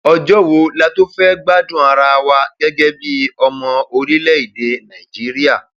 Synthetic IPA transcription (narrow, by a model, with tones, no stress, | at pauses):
ɔ˧d͡ʒɔ˦wo˧˦la˦to˦fɛ˦ɡ͡ba˦dũ˦˨a˧ɾa˧wa˧ɡɛ˦ɡɛ˦bi˦ɔ˧mɔ̃˧o˧ɾi˦lɛ˦i˦˨de˨nã˨i˨d͡ʒi˨˦ɾi˦a˦˨